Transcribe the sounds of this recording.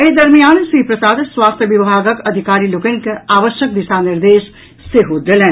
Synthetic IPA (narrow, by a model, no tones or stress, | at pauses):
ed̪ɐɾmijaːnsiːpɾɐsaːd̪swaːst̪ʰjəʋibʱaːɡəkɐd̪ʱɪkaːɾiːlokẽŋkaːʋəʃjək̚d̪ɪʃaːnɪɾd̪eːʃ | seɦod̪elẽː